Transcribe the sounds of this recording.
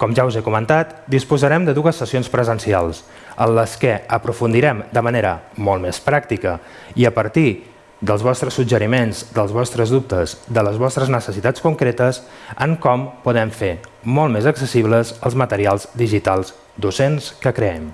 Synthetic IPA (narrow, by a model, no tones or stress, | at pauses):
kɔmʒauzɛkumənt̪at̪d̪ispuzəɾɛmd̪əðuəsːəsionspɾəzənsia̰lˠs | ənləskɛəpɾufund̪iɾɛmd̪əməneɾə̰mɔlˠt̪mɛspɾak̚t̪ikə | iəpəɾt̪i | d̪əlˠzβɔst̪ɾəsːud͡ʒəɾimenzd̪əlˠzβɔst̪ɾəzðup̚t̪əzd̪ələzβɔst̪ɾəznəsəsit̪at͡skuŋkɾet̪əsəŋkɔmpuðɛmfemɔlˠt̪mezəksəsiβləzəlˠzmət̪əɾialˠzd̪iʒit̪alˠz | d̪usenskəkɾəɛm